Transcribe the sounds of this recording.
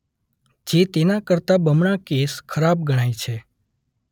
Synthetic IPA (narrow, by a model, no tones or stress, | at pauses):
d͡ʒet̪enakəɾt̪abəmɳ̃akeskʰəɾab̚ɡəɽ̃ait͡ʃʰe